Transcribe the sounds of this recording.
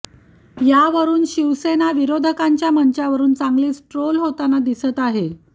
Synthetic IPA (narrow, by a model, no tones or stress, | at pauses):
jaʋəɾuːnɕiʋsenaʋiɾod̪ʱəkaɲt͡ɕjaməɲt͡ɕaʋəɾuːnt͡sãŋɡliːsʈɾolɦot̪anad̪isət̪aɦe